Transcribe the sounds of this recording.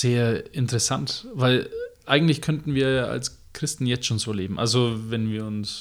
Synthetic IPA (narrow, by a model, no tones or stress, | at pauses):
z̥eːɐɪntəʁɛsantvaɪlʔaɪɡŋ̩tlɪçkʰœntn̩viːɐjaːʔa̰ls | kʁ̥ɪstn̩jɛt͡stʃoːnz̥oːleːbm̩ʔa̰lzovɛnviːɐʊns